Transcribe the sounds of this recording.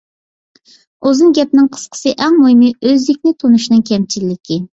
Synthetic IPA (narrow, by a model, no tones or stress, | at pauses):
ozɨŋɡʲɛp̚nɪŋqʰə̥sqʰə̥sɨʔɛŋmojmiøzd̪ɪkʲnɪt̪ʰonuʃinɨŋkʲʰɛmt͡ʃʰilːɪkʲʰi